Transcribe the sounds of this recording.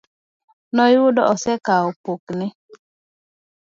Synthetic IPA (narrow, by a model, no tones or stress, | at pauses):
nɔjʊdɔʔɔsɛkaɔpoknɪ